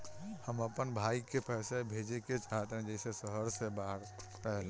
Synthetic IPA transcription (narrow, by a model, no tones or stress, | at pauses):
həməpənbʱaikepɛɪsebʱed͡ʒeket͡ʃaɦət̪ɦɛ̃d͡ʒɛɪsesəɦəɾsebaɾ | ɾəɦɛl